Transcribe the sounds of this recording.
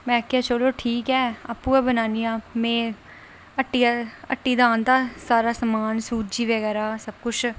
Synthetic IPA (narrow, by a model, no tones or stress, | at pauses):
mɛ̃ːkʰːeaːt͡ʃəloːʈʰiːkɛːa̰ːpːũːɛːbənaːniːjãːmɛ̃ː | əʈːijaə̰ʈːiːd̪aːnd̪aːsaːɾaːsəmaːnsuːtd͡ʒiːʋəɡɛːɾaːsəb̚kʊt͡ʃʰ